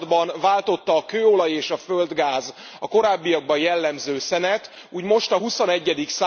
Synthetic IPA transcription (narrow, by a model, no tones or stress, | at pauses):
d̪bɒnvaːlt̪o̞t̪ːɒːkøːo̞lɒjeːʃɒfø̞ld̪ɡaːz | ɒko̞ɾaːbːijɒɡ̚bɒjɛlːɛmzøːsɛnɛt̪ | uːɟmo̞ʃt̪ɒɦuso̞nɛɟːɛd̪iksa